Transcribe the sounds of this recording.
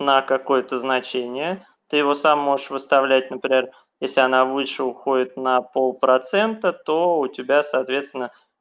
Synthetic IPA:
nəkɐko̞jət̪əznɐt͡ɕenʲɪjə | t̪ɨjɪvo̞samːo̞ʐəʂvɨst̪ɐvlʲæt̚ʲnəpɾʲɪmʲer | jesʲlʲɪɐnavɨʂɨʊxo̞dʲɪt̪nəpo̞lˠpɾɐt̪sɛnt̪ət̪oʊtʲɪbʲasɐːt̪vʲe̞t̪st̪vʲɪnːə

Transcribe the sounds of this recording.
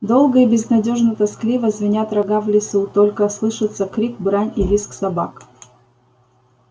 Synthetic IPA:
d̪o̞lˠɡəibʲɪznɐdʲo̞ʐnət̪ɐsklʲivəzvʲɪnʲat̪ɾɐɡavlʲɪsut̪olʲkəslˠɨʂɨt̪səkɾʲik̚bɾanʲilʲisksɐba̰k

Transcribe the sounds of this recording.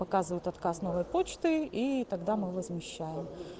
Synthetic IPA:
pɐkazɨvʊjʊt̪ɐt̪kasnovɐjpot͡ɕt̪ɨit̪ɐɡd̪amɨʋɐzmʲɪɕːajɪm

